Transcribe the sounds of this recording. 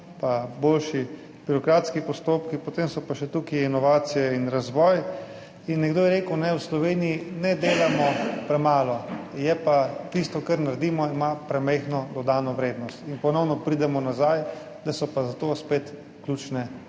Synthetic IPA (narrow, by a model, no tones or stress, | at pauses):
pabolʃi | b̥iɾɔkɾaːt̪skipɔst̪oːpkipɔt̪emsɔpaʃɛt̪ukiinɔʋaːt̪sijɛinɾazʋɔj | inːɛɡd̪oːjɛɾeːkəwnɛwslɔʋeːnijinɛd̪eːlamɔpɾɛmaːlɔjɛpat̪ist̪ɔkaɾnaɾd̪iːmɔimapɾɛmɛɪxnɔd̪ɔd̪aːnɔʋɾeːd̪nɔst̪inpɔnɔwnɔpɾid̪ɛmɔnazaj | d̪asɔpazat̪ospeːt̪ | klʲut͡ʃnɛ